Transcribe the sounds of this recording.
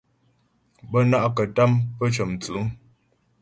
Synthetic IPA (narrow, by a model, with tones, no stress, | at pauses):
bə˦na˦ʔkə˨ta˦mpə˦t͡ʃə˨mt͡su˨˦ŋ